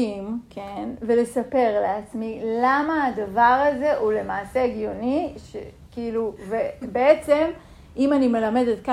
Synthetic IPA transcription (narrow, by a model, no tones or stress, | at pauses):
imkʰenve̞le̞sape̞ʁleat͡smilamaːdavaʁaze̞ʔule̞maːse̞ɡjo̞niʃḛ | kiiluvebeet͡se̞m | ʔimanime̞lame̞det̪ka